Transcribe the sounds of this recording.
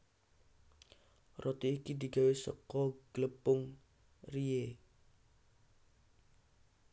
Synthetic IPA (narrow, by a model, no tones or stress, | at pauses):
rɔt̪iːkid̪i̤ɡawesə̰kɔɡ̥ləpʊŋ | rie